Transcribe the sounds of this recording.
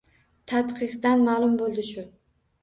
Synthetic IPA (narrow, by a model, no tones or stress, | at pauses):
t̪ʰat̪qʰɨqd̪anmaːlˠʊmbolˠd̪ɪʃʊ